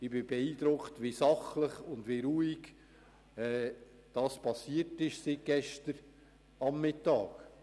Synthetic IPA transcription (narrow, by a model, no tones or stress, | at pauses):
ɪbɪbɛiːd̪ɾʊktʋisɑχləχʊndviɾuːiɡ | ɛː | d̥ɑːspɑsiətɪʃsit̚ɡ̥ɛʃtəɾ | ɑmːɪtɑːk